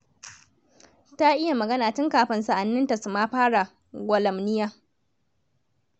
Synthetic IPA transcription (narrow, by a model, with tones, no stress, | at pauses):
ta˦ʔɪ˦ja˨mɐ˨ɡɐ˦naː˨tʊ˦ŋkaː˨ɸɪ˨nsa˨ʔa˨nːɪ˦nta˨su˨maː˦ɸaː˦ɽa˨ | ɡʷɐ˨lɐ˨mnɪ˦jaː˦